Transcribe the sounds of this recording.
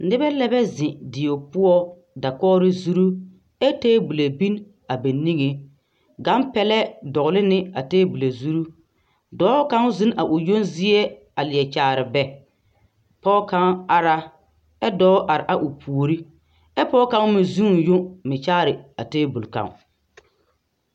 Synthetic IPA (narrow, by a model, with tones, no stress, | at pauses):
nɪ˦bɛ˦lɛ˦bɛ˦zɪ˨dɪ˨o˨pʊ˦ɔ˦ | da˨kɔː˦ɾɪ˦zu˦ɾu˦ | ɛ˦teː˦bu˨la˨bi˦n | a˨be˨nːi˦ŋe˨ | ɡa˨˦npɛ˦lɛ˦dɔ˨ɣʊ˨lɪ˦nɪ˦a˨teː˦bu˨la˨zu˦ɾu˦ | dɔː˨˦ka˦ŋ˦zɪ˦nʔa˨ʔʊ˨jo˦nzi˦e˦ | a˨lɪ˨ɛ˨t͡ʃaː˨ɾɪ˨bɛ˨ | pɔː˦ka˦ŋa˦ɾa˦ | ɛ˦dɔː˦ʔa˨ɾɪ˨ʔa˨ʔʊ˨pʰu˨o˨ɾi˦ | ɛ˦pɔː˦ka˦ŋmɪ˨zu˦˨jo˦mɪ˨t͡ʃaː˦ɾɪ˨a˨teː˦bu˨lka̰˨ŋ